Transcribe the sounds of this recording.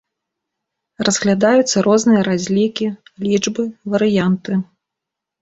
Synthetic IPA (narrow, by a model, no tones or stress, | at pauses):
rɐzɣlʲad̪ajut̪sːɐɾɔznɨjɐɾazʲlʲikʲilʲid͡ʐbɨvɐɾɨjant̪ɨ